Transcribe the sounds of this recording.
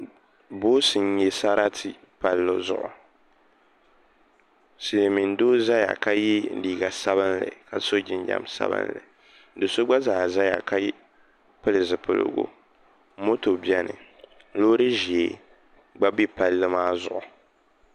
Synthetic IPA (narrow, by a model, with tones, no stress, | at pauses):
boː˦sɨ˨n˦ɲɛ˦sa˦ɾa˦tʰi˨ | pa˨lːo˦zʊ̰˨ʔʊ˨ | si˨le˨mi˨n˦doː˦za˦ja̰˨ka˦ji˦˨˦liː˨ɡa˨sa˦βɨ˦nlɨ̰˨ka˨so˦d͡ʒɪ˦˨n˦d͡ʒa̰˨msa̰˦bɨ̰˦nlɨ̰˨ | dɨ˨so˦ɡ͡ba˦zaː˨za˦ja̰˨ka˦ji˦ | pɨ˦lɨ˨zɨ˨pɨ̰˦lɨ̰˦ɡo̰˦ | mo˦to˨bi˦ɛ˦nɨ̰˨ | loː˦ɾɨ˦ʒi˨e˨ | ɡ͡ba˦bi˦pa˨lːɨ˦maː˦zʊ˨ʔʊ˨